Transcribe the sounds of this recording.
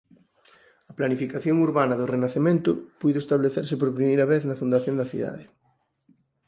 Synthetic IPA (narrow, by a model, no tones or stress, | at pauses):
ɐplanifikaθjoŋuɾβanɐðʊrenaθemẽnt̪ʊpujðʊest̪aβleθeɾsɪpoɾpɾimejɾɐβeθnɐfund̪aθjõnd̪ɐθḭða̰ðɪ